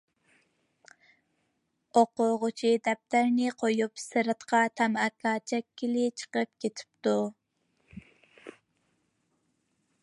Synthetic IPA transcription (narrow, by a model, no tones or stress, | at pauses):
oqʊʁʊt͡ʃʰid̪ɛp̚t̪æɾnɪqʰojupsɨɾɨt̪qʰɑt̪ʰɑmɑkɑːt͡ʃʰɛkʲːilɪt͡ʃʰə̥qəp̚kʲet̪ʰɪ̥p̚t̪u